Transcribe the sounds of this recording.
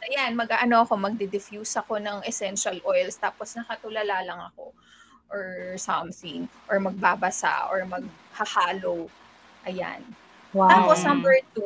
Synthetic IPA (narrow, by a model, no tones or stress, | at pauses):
ʔɐjanmɐɡʔaʔɐno̞ɐko̞mɐɡ̚d̪ɛd̪ɪfjuːsɐko̞nɐŋʔɛsɛnʃɐlʔojlst̪aːposnɐkɐt̪ʊlɐlaːlɐŋɐko̞ | ʔɔɹsɐmθɪŋʔɔɹmɐɡ̚baːbɐsa̰ʔɔ̰ɹmɐɡ̚ | hɐhaːlow | ʔɐja̰n | wt̪aːposnɐmbɛɹt̪u